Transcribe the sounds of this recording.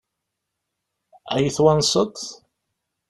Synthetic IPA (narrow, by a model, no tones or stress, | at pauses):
æjəθwænsˤət̪ˤθ